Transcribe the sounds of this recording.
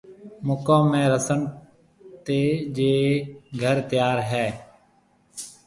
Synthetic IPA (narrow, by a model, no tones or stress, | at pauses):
mʊkaːmːẽːɾəsəɳ | t̪eːd͡ʒeːɡʱəɾt̪jaːɾɦɛː